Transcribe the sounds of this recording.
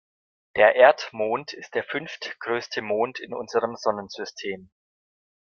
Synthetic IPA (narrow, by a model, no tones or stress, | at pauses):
d̥eːɐʔeːɐtmoːntʰɪst̚d̥eːɐfʏnftɡ̥ʁøːstʰəmoːntʰɪnʔʊ̰nzəʁəmzɔnənz̥ʏstʰeːm